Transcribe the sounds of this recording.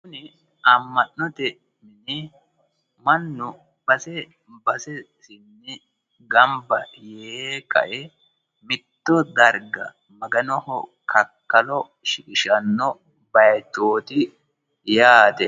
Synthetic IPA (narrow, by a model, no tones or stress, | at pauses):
kʊnɪ | ɐmːɐʔnɔt̪ɛ | mɪnɪ | mɐnːʊ | b̥ɐsɛ | bɐsɛ | sɪnːɪ | ɡɐmbɐjeːkɐ̰ʔɛ | mɪt̪ːɔd̪ɐɾɡɐ̰ | mɐɡɐnɔhɔ̰kɐkːɐlɔ | ʃɪkɪʃɐnːɔ | bɐjt̪oːt̪ɪ | jaːt̪ɛ